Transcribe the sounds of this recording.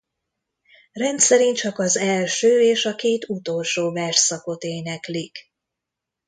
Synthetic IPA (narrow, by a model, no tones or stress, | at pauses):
rɛnt̪sɛɾint͡ʃɒkɒzɛlʃøːeːʃɒkeːt̪ut̪o̞lʃoːvɛrʃsɒko̞t̪eːnɛklik